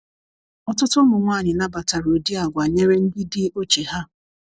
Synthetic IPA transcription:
ɔ˦tʊ˦tʊ˦mʊ˨ŋʷaː˦˨ɲɪ˨na˦ba˨ta˨ɾo˨di˦a˨ɡʷa˨ɲe˦ɾe˦n̩˦di˦dɪ˦o˦t͡ʃe˨ɦa˦

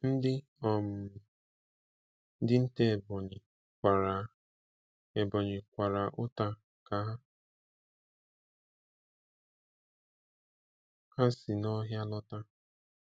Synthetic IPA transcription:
n̩˦dɪ˦ | ɔ˨m̩˨˦ | dɪ˦n̩˦te˦˨bɔ˨ɲɪ˨ | a˨ɾa˨ | e˨bɔ˨ɲɪ˨kʷa˨ɾa˨ʔʊ˦ta˨ | ka˨ɦa˦ | ha˦sɪ˨nɔ˦ɦja˦lɔ˦ta˦

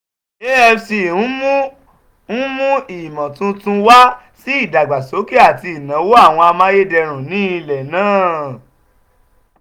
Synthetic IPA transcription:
e˦ɛ˧si˨n̩˦mũ˦ | n̩˦mũ˦i˨mã˨tũ˦tũ˦wa˦ | si˦i˦˨da˨ɡ͡ba˨so˨˦ke˦a˦˨ti˧i˨nã˨˦wo˦a˦˨w̃ɔ̃˧a˧mã˦je˦dɛ˧ɾ̃ũ˨nĩː˨˦i˧lɛ˨nãː˦˨

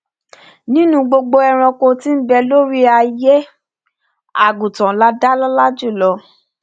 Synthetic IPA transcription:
nĩ˦nũ˦ɡ͡bo˧ɡ͡bo˧ɛ˧ɾ̃ɔ̃˧ko˧ti˦n̩˦bɛ˧lo˦ɾi˦a˧je˦ | a˦˨ɡu˨tã˨la˦da˦lɔ˦la˦d͡ʒu˦˨lɔ˨˧

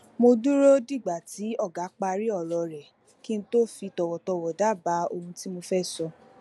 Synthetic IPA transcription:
mo˧du˦ɾo˦di˦˨ɡ͡ba˨ti˨˦ɔ˦˨ɡa˨˦k͡pa˧ɾi˦ɔ˦˨lɔ˧ɾɛ˨ | ki˦ñ̩˦to˦fi˧tɔ˧wɔ˨tɔ˧wɔ˨da˦˨ba˨˦o˧hũ˧ti˦mo˧fɛ˦sɔ˧

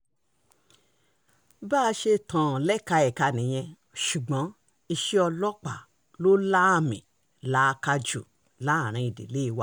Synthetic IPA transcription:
ba˦˧ʃe˧tʰã˨lɛ˦˨ka˧ɛ˨ka˧nĩ˨j̃ɛ̃˧ | ʃu˨ɡ͡bɔ̃˨˦ | i˧ʃi˦ɔ˧lɔ˦k͡pa˦˨ | lo˦la˦a˦˨mḭ̃˨ | la˨˦˧ka˧d͡ʒṵ˨ | la˨˦˨ɾ̃ĩ˧i˨dḛ˨le˦i˧wa˧˦

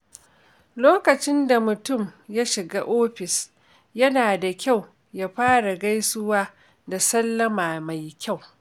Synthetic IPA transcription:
loː˦kɐ˨t͡ʃɪ˦nda˨mʊ˨tʊ˦˨mja˦ʃɪ˨ɡaː˦ʔoː˦ɸɪ˨s | jɐ˦naː˨da˨kʲa˦˨w | ja˦ɸaː˦ɽa˨ɡa˦jsʊ˦waː˦ | da˨sɐ˦lːɐ˦maː˨ma˨jkʲa˦˨w

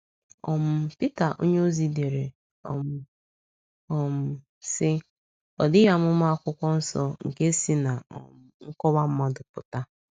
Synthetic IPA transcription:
ɔ˨m̩˦pi˦ta˨ʔo̰˦ɲe˦o˦zi˦de˨ɾe˨ | ɔ̰˨˦ | ɔ˨m̩˦ | sɪ˦ | ɔ˨dɪ˦ja˦mʊ˦ma˦a˦˨kʷʊ˦kʷɔ˦n̩˦sɔ˦ŋ̩˨ke˦si˦na˨ɔ̰˨m˨ŋ̩˦kɔ˦βa˦m̩˦mɔ˦dʊ˨pʊ̰˨ta˦

